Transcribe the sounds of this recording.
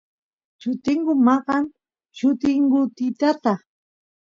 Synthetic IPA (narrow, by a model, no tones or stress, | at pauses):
t͡ʃʊt̪ɪŋɢʊmɑɢɑŋ | t͡ʃʊt̪ɪŋɢʊt̪ɪt̪at̪a